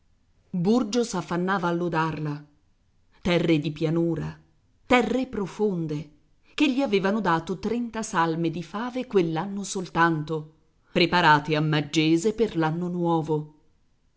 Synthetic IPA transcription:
burd͡ʒosafːanːaːvaːlːod̪arla | t̪ɛrːed̪ipjanuːɾa | t̪ɛrːepɾofond̪e | keʎːiaveːvanod̪aːt̪ot̪ɾɛnt̪asalmed̪ifaːvekwelːanːosolt̪ant̪o | pɾepaɾaːt̪eamːad͡ʒːeːzeperlanːonwɔːvo

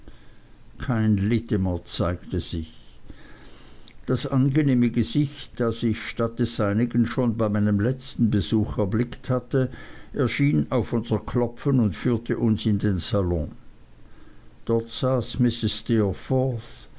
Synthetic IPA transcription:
kʰaɪnlɪtəmət͡saɪktəz̥ɪç | d̥asʔanɡəneːməɡəz̥ɪçtd̥asɪçʃtat̚d̥ɛsz̥aɪnɪɡənʃoːnbaɪmaɪnəmlɛt͡stn̩bəzuːxɛɐblɪkthatəʔɛɐʃiːnaʊfʔʊnzɐkʰlɔpfənʊntfyːɐtʰəʔʊnsɪndeːnsalɔ̃ | d̥ɔɐtz̥aːsmɪsɪsstifɔθ

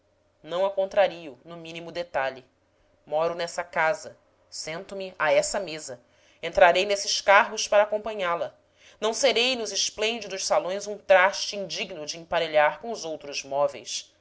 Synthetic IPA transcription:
nɐ̃w̃ɐkõnt̪ɾaɾiʊnʊmĩnimʊd̪et̪aʎɪ | mɔɾʊnɛsɐkazɐ | sẽnt̪ʊmɪʔaɛsɐmezɐ | ẽnt̪ɾaɾejnesɪʃkaɦʊspaɾɐaːkõpɐ̃ɲalɐ | nɐ̃w̃seɾejnʊzɪʃplẽnd͡ʒid̪ʊʃsalõj̃zũt̪ɾaʃt͡ʃɪĩnd͡ʒiɡnʊd͡ʒɪĩpaɾeʎaɾkõʊzowt̪ɾʊzmɔvḛjs

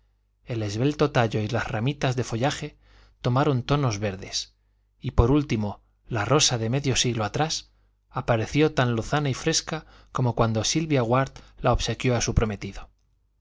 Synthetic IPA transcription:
e̞le̞zβe̞lt̪o̞t̪aʎo̞ilasramit̪azðe̞fo̞ʎaxe̞ | t̪o̞maɾo̞nt̪o̞no̞zβe̞ɾðe̞s | ipo̞ɾult̪imo̞ | laro̞saðe̞me̞ðjo̞siɣloat̪ɾas | apaɾe̞θjo̞t̪anloθanaifɾe̞ska | ko̞mo̞kwand̪osilβjaɣwaɾt̪laoβse̞kjo̞asupɾo̞me̞t̪iðo̞

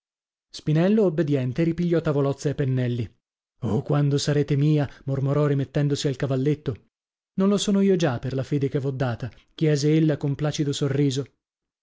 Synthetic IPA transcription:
spinɛlːoːbːed̪jɛnt̪eɾipiʎːɔt̪avolɔt̪sːaepːenːɛlːi | okwand̪osaɾeːt̪emiːamormoɾɔɾimet̪ːɛnd̪osialkavalːet̪ːo | nonlosoːnoiːod͡ʒaperlafeːd̪ekevːɔd̪ːaːt̪a | k̟jɛːzeelːakomplaːt͡ʃid̪osorːiːzo

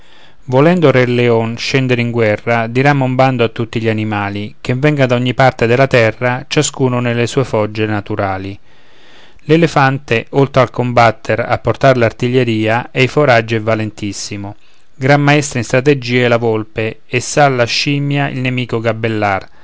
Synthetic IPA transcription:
volɛnd̪oreleɔnʃɛnd̪eɾeiŋɡwɛrːad̪iɾamːoumband̪oat̪ːut̪ːiʎianimaːlik̟eɱvːɛŋɡad̪aɔɲːipart̪ed̪elat̪ɛrːat͡ʃaskuːnʊnelːesuːefɔd͡ʒːenat̪uɾaːli | lelefant̪eʔolt̪ɾalkombat̪ʰːeɾa̰pːort̪aɾlart̪iʎːeɾiːaɛjfoɾad͡ʒːɛvalent̪isːimo | ɡɾamːaɛst̪ɾainst̪ɾat̪ed͡ʒiːaɛlavolpeːsːalːaʃːiːmjaḭlnemiːkoɡabːelːar

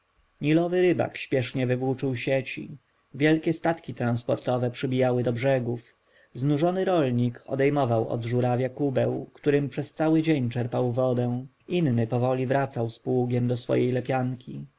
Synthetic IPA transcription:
ɲilɔvɘɾɘba̰kɕpʲjɛʂɲɛvɘvwut͡ʂɘwɕet͡ɕḭ | vʲjɛlkʲɛst̪at̪kʲit̪ɾanspɔɾt̪ɔvɛpʂɘbʲijawɘd̪ɔbʐɛɡuf | znuʐɔnɘɾɔlɲikʰɔ̰d̪ɛjmɔvawɔ̰d̪ʐuɾavʲjakubɛwkt̪uɾɘmpʂɛst̪sawɘd͡ʑeɲt͡ʂɛɾpawvɔd̪ɛ̃ | innɘpɔvɔlʲivɾat̪sawspwuɡʲjɛmd̪ɔsfɔ̰jejlɛpʲjaŋkʲi

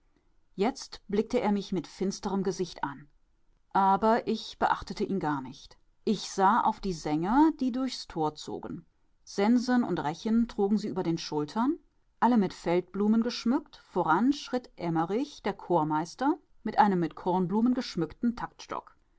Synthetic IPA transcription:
jɛt͡stb̥lɪk̚təʔeːɐmɪçmɪtfɪnstəʁəmɡəzɪçtʔan | ʔaːbɐʔɪçb̥əʔaχtətəʔiːnɡaːɐnɪçt | ʔɪçz̥aːʔa̰ʊfd̥iːzɛŋɐd̥iːdʊɐçstʰoːɐt͡so̰ːɡn̩ | z̥ɛnzənʊ̰ntʁɛçəntʁ̥uːɡŋ̩ziːʔyːbɐdeːnʃʊltʰɐn | ʔaləmɪtfɛlt̚b̥luːmənɡəʃmʏktfoːʁanʃʁ̥ɪtʔɛmɐʁɪçd̥eːɐkʰoːɐmaɪstɐ | mɪtʔaɪnəmːɪtkʰɔɐnbluːmənɡəʃmʏktn̩tʰaktʃtɔ̰k

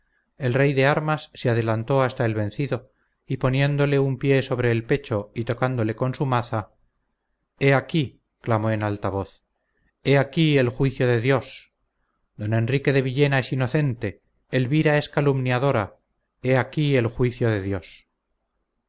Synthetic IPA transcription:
e̞lrejðe̞aɾmasːeað̞e̞lant̪o̞ast̪ae̞lβẽ̞nθiðo̞ | ipo̞nje̞nd̪o̞le̞umpje̞so̞β̞ɾe̞ːlpe̞t͡ʃo̞it̪o̞kand̪o̞le̞ko̞nsumaθa | eaki | klamo̞enalt̪aβo̞θ | e̞akielxwiθjo̞ðe̞ðjo̞s | d̪o̞nẽ̞nrike̞ðe̞βiʎe̞nae̞sino̞θe̞nt̪e̞ː | lβiɾae̞skalumnjaðo̞ɾa | e̞akie̞lxwiθjo̞ðe̞ðjo̞s

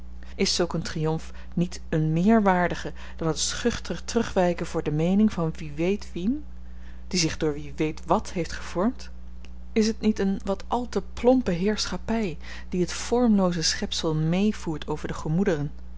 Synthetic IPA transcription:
ɪsɵlˠkəntrijɔmf | nit | ənmɪːɹʋaːɹdəχə | d̥ɑnɦətsχɵχtəχtrɵχʋɛjkənvʊːɹdəmejnɪŋvɑnʋiʋejtʋin | d̥izɪχdʊːɹʋiʋejtʋɑtɦejftχəv̥ɔɹmt | ɪsɦətnitənʋɑtʔɑlˠtəplɔmpəɦɪːɹsχɑpɛj | d̥iɦətfɔɹmlowzəsχɛpsəlˠmejv̥uːɹtʰowvəɹdəχəmudərən

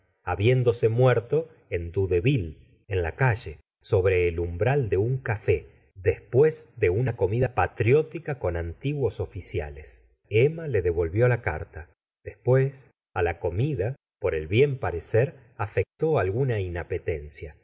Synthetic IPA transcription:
aβje̞nd̪o̞se̞mweɾt̪o̞ | end̪uðe̞βil | enlakaʒe̞ | so̞βɾe̞ːlumbɾald̪e̞uŋkafe | ðespwe̞zd̪e̞unako̞miðapat̪ɾjo̞t̪ikako̞nant̪iɣwo̞so̞fisja̰les | emale̞ðe̞βo̞lβjo̞laka̰ɾt̪a | ð̥espwe̞s | alako̞miða | po̞ɾe̞lβje̞mpaɾe̞seɾ | afe̞k̚t̪o̞alɣunainape̞t̪e̞nsja

